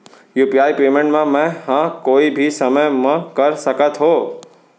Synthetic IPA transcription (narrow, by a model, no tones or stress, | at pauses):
juːpiaːipeːmẽɳʈmãmɛ̃hãkoːibʱisəməjmãkəɾsəkət̪ɦoː